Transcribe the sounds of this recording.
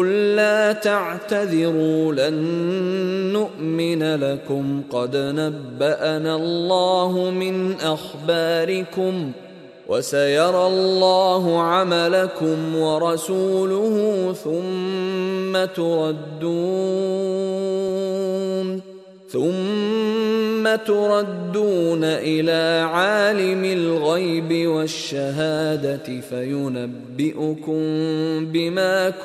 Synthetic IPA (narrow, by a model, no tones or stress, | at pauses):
ʊlːaːt̪aʕt̪aðɪɾuːlanː | ʊʔmɪnalakʊmqɑd̪nabːaʔanalːɑːɦʊmɪnʔaxbaːɾɪkʊm | wʔa̰sajɑɾˤɑlːɑːɦʊʕamalakʊmwɑɾˤɑsuːlʊhʊθʊmː | at̪ʊɾˤɑd̪ːuː | n | θʊm | at̪ʊɾˤɑd̪ːuːnaʔɪlaːʕaːlɪmɪlɣajbɪwaʃːaɦaːd̪at̪ɪfajʊnabːɪʔʊkʊmmbɪmaːk